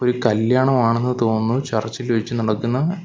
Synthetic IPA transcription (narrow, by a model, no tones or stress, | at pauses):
o̞ɾukɐljaːɳɐmaːɳe̞nːɨt̪o̞ːnːut͡ɕɐrt͡ɕːilʋɐt͡ɕːɨnɐɽɐkːunːɐ